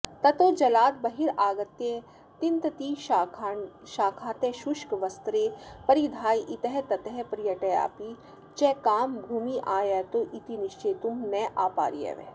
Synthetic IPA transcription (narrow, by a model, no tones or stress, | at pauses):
t̪ɐt̪oːd͡ʒɐlaːt̪̚bɐɦiɾaːɡɐt̪jẽ | t̪int̪ɐt̪iːʃakʰ | ʃaːkʰaːt̪ẽːʃʊʃkʋɐst̪ɾeːpɐɾid̪ʱaːjʔit̪ɐɦɛt̪ɐt̪ɐɦɛpɾijɐʈɐja̰ːpi | t͡ʃɛːkaːmbʱuːmiʔaːjɛːt̪oːʔit̪inɪʃt͡ʃeːt̪umnɛːʔaːpa̰ːɾijḛʋḛː